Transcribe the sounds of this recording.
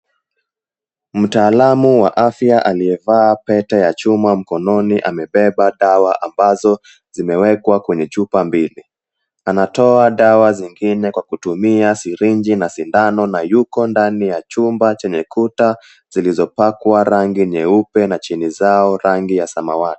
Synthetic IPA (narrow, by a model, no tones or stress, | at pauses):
m̩taːlamuwaʔafjaʔaliɛvaːpɛtajat͡ʃumam̩kɔnɔniʔamɛɓɛɓaɗawaʔambazɔ | zimɛwɛkwakwɛɲɛt͡ʃupambili | anatɔaɗawaziŋɡinɛkwakutumiasiɾiɲd͡ʒinasindanɔnajukɔndanijat͡ʃumbat͡ʃɛɲɛkʰuta | z̥ilizɔpakwaɾaŋɡiɲɛupɛnat͡ʃinizaɔɾaŋɡijasama̰wati̥